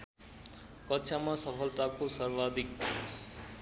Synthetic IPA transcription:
kʌtːsʰamasʌpʰʌlt̪akosʌrbad̪ik

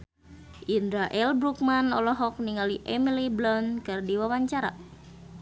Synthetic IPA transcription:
ʔindɾaʔɛlbɾuk̚manɔlɔɦɔk̚niŋaliʔɛmiliblɔnkɨrdiwawaɲt͡ʃaɾa̰

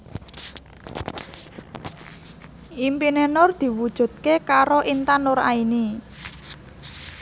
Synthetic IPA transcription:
ʔimpinenʊrd̪̥i̤wud̥ʒ̥ṳd̪̥̚kekaɾoʔint̪anʊɾa̰ini

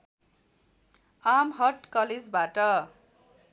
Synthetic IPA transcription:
amɦʌʈkʌled͡zbaʈʌ

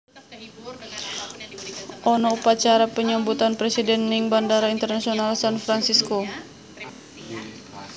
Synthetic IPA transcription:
ʔɔnɔupat͡ʃaɾapəɲambut̪anpɾesidɛnːiŋbandaɾaint̪ərnasionalsanfɾansisko

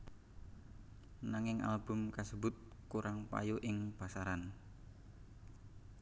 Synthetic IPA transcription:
naŋɪŋʔa̰lb̥ʊ̤mkasəbʊt̪̚kuɾaŋpa̰juʔɪŋpasaɾan

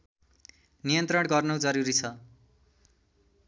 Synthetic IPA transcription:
nijʌnt̪rʌɽɡʌrnʌwd͡zʌɾuɾit͡sʰʌ

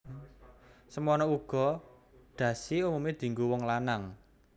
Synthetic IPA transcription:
səmɔnɔuɡ̥ɔ̤ | ɖ̪̥ä̤siumumed̪̥i̤ŋɡuwɔŋlanaŋ

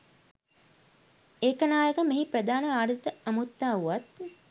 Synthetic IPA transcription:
eːkənaːjəkəmiɦiprəd̪aːnəaːɾit̪əɐmut̪ːaːuʋat̪

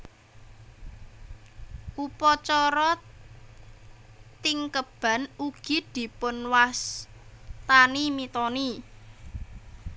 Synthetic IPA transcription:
ʔupɔt͡ʃɔɾɔ | t̪ɪŋkəb̥ä̤nuɡ̥i̤d̪̥i̤pʊnwas | t̪animit̪ɔni

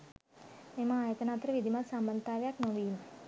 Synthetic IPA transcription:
memaaːjət̪ənaːt̪ɾəʋid̪ʱimat̪sambənt̪aːʋejaknoʋiːm

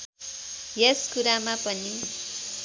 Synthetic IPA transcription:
jeskuɾamapʌni

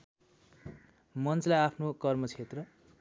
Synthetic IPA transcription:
mʌnt͡slajapʰnokʌrmʌt͡sʰet̪rʌ

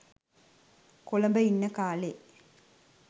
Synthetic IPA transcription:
koləmbəinːəkaːle

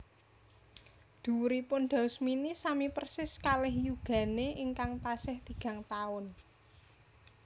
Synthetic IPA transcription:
d̪̥ṳɾipʊnɖ̪̥a̤ʊsminisamipərsɪskalɪhjuɡ̥ä̤neʔɪŋkaŋt̪asɪhd̪̥i̤ɡ̥ä̤ŋt̪aʊn

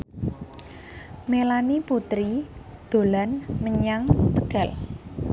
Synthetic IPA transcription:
melaniput̪ɾid̪̥o̤lanməɲaŋt̪əɡ̥a̤l

